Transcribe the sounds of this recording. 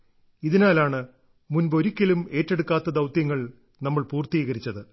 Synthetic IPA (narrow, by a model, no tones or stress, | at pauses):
iðinaːlaːɳɨ | munbo̞ɾikʲːɐlume̞ːtːe̞ɽukːaːt̪ːɐd̪ɐwt̪jɐŋːɐɭ | nɐmːɐɭpuːrt̪iːɣɐɾit͡ɕːɐðɨ